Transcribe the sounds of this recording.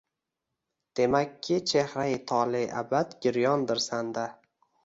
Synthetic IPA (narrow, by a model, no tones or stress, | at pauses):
d̪̥e̞makʲʰːɪt͡ʃʰehɾajt̪ʰɒlɪʔa̰bad̪ɡʲɪɾjɒnd̪ɪɾsand̪a